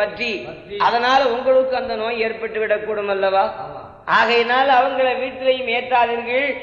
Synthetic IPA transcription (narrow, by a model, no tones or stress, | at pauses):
ɐʈri | ɐðɐnaːlɐʊŋɡɐɭɯkːɯɐnd̪ɐnoːjeːɾpɐʈːɯʋɪɽɐkːuːɽɯmɐlːɐʋaː | ʔaːɣɐɛnaːlɐʋɐŋɡɐɭɐʋiːʈːɪlɐjɯmeːʈ̪ɾaːðɪɾɣɐɭ